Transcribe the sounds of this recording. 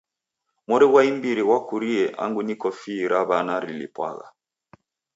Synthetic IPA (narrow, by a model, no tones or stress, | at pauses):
mɔɾɛɣwaimbiɾiwakuɾiɛʔa̰ŋɡunikɔfiːɾaβanaɾilḭpwa̰ɣa̰